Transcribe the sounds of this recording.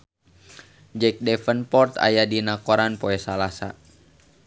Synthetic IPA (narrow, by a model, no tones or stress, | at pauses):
d͡ʒɛk̚dɛfənpɔrt̪a̰jadinakɔɾanpɔɛsalasa̰